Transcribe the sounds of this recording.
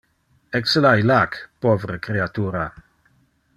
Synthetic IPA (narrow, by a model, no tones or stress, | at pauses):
ɛksəlajlakpovɾəkɾeat̪uːɾa